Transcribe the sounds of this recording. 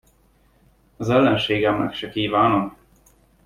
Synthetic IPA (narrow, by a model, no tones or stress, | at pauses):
ɒzɛlːɛnʃeːɡɛmnɛ̰kʃɛkiːvaːnom